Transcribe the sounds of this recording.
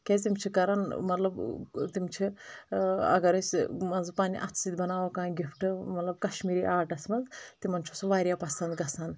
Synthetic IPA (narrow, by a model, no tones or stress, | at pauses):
kʲet̪imt͡ʃʰikɐɾɐnmɐt̪lɐbt̪imt͡ʃʰi | ɐ̰ɡɐɾɐsʲmɐnzpaːnḭʔɐ̰t͡ssit̪bɐnaːʋokãːjɡifʈɨmɐt̪lɐb̚kɐʃmiːɾiʔaːʈɐsmɐzt̪imɐnt͡ʃʰusoʋaːɾjapɐsɐnd̪ɡɐsan